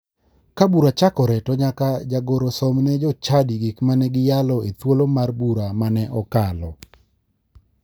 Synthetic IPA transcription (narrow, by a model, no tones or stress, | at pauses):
kabuɾat͡ʃakɔɾɛtɔɲakad͡ʒaɡoɾosɔmnɛd͡ʒɔt͡ʃadiɡikmanɛɡɪjalɔet̪wolomarbuɾamanɛʔɔkalɔ